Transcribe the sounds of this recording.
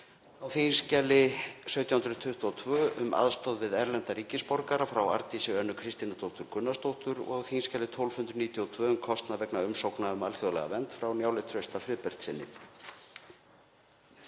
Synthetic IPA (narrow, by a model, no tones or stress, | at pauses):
awθinscɛlɪsœɥt̪jahʏnɾʏt̪ʰʏht̪uɔːt̪ʰvʏːʔʏmʔa̰ðst̪ɔðvɪðɛɾlɛnt̪aɾiːcɪspɔɾkaɾafɾawa̰ɾt̪isɛɣœnːʏkʰɾɪst̪inat̪owht̪ʏɾ̥kʰʏnːast̪owht̪ʏɾɔ̰ɣawθinscalɪt̪ʰowlvhʏnt̪ɾʏniːt̪jɔɔt̪ʰvœːʏmkʰɔst̪navɛknaʏmsowknaʏmalθjɔðlɛ̰ɣa̰vɛnt̪fɾawnjawlɪt̪ʰɾœɥst̪afɾɪðpɛr̥t̪sɪnːɪ̰